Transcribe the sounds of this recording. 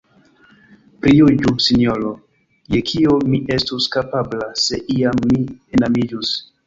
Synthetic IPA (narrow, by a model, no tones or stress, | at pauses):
pɾijud͡ʒusiniolo | jekʰiomiʔe̞stuskapablase̞ʔiamːienamid͡ʒus